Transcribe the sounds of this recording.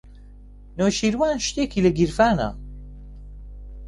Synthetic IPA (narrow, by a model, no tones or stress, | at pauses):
noʃiɾwaːnʃt̪ekʰiləɡiɾfaːna̰